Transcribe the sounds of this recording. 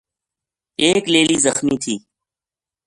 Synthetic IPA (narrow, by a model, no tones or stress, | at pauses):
eːkleːliːzəxmiːt̪ʰiː